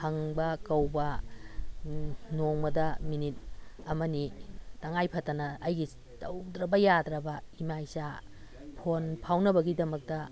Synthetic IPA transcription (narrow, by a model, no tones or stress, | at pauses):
hɐŋbɐkɐwbɐ | noŋmɐdɐminit̚ɐmɐnitɐŋajpʰɐtɐnɐːjɡi | tɐwd̪ɾɐbɐjadɾɐbɐimajsa | pʰonpʰawnɐbɐɡidɐmɐk̚tɐ